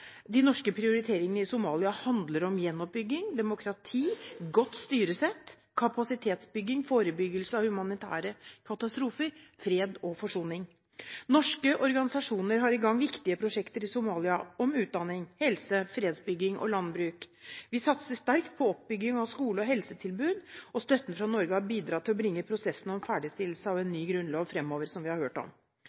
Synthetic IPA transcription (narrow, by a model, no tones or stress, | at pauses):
d̪ɪnɔʂkəpʰɾɪʊɾɪt̪ʰeːɾɪŋənəɪsʊmɑːlɪɑhɑnd̪ləɾɔmjɛnːɔp̚bʏɡːɪŋd̪ɛmʊkʰɾɑt̪ʰiːɡɔt̪ːst̪yːɾəsɛt̪ː | kʰɑpɑsɪt̪ʰeːt̪sbʏɡːɪŋfoːɾəbʏɡəlsəɑʋhʉmɑnɪt̪ʰæ̰ːɾəkʰɑt̪ɑst̪ɾuːfəɾfɾeːd̪ɔfɔʂuːnɪŋ | nɔʂkəʔɔɾɡɑnɪsɑʂuːnəɾɦɑɾɪɡɑŋːʋɪkt̪ɪəpʰɾʊʂɛkt̪əɾɪsʊmɑːlɪɑɔmʉːt̪̚d̪ɑnːɪŋhɛlsəfɾeːd̪sbʏɡːɪŋʔɔ̰lɑnbɾʉːkʋɪsɑt̪səst̪æɾkt̪̚pʰɔɔp̚bʏɡːɪŋɑʋskuːləɔɦɛlsət̪ʰɪlbʉːd̪ɔst̪œt̪ːənfɾɑnɔɾɡəhɑɾbiːd̪ɾɑːt̪ʰɪlɔbɾɪŋːəpʰɾʊsɛsːən̩ɔmfæːɖɪst̪ɪl̩ːsəɑʋɛːnːyːɡɾʉnlɑːʋfɾɛmːoːʋəɾsɔmʋɪhɑɾhøːʈɔ̰m